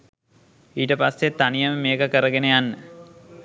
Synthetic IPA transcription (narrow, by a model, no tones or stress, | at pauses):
iːʈəpasːet̪ːanijɐməmeːkəkəɾəɡenejanːə